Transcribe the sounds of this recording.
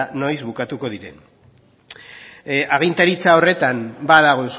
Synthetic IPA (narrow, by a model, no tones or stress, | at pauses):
no̞jzβukat̪uko̞ðiɾe̞̰n | aɣ̞int̪aɾit͡sao̞re̞t̪ambaðaɣ̞o̞ens